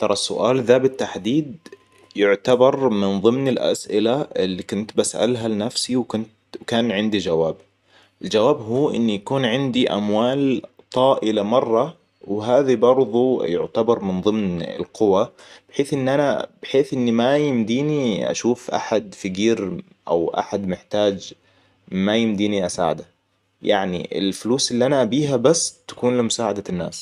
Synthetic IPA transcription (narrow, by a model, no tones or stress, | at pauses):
t̪ɑɾˤɑsʊ̰ʔaːlðaːbɪt̪ːaħd̪iːd̪ | jʊʕt̪abɑɾˤmɪnðˤɨmnɪlʔa̰sʔɪlaɪlːikʊnt̪basʔa̰lɦalɪnafsiwkʊnt̪wkaːnʕɪnd̪id͡ʒawaːb | ʔɪld͡ʒawaːbɦuːʔɪ̰nːijakuːnʕɪnd̪iʔa̰mwaːlt̪ˤɑːʔɪlamɑrˤːɑ | wɦaːðibɑɾˤðˤujʊʕt̪abɑɾˤmɪnðˤɨmnɪ̰lqʊwab̥ɪħeːθʔɪnːʔanab̥ɪħeːθʔɪnːimajɪmd̪iːniʔa̰ʃuːfʔa̰ħad̪fɪɡiːɾ | ʔa̰wʔa̰ħad̪mɪħt̪aːd͡ʒ | majɪmd̪iːniʔasa̰ːʕad̪a | jaʕnḭʔɪ̰lfʊluːsʔɪlːiʔanaʔabiːɦabasːt̪ḁkuːnlimʊsaːʕad̪anːa̰ːs